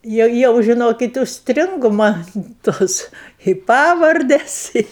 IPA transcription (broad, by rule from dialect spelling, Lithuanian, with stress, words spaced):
ˈjɛʊ jɛʊ ʒʲɪˈnoːkʲɪt ʊʃʲsʲˈtʲrʲɪŋɡʊ ˈmɐn ˈtoːs ɪ ˈpɑːʋɐrʲdʲɛs ɪ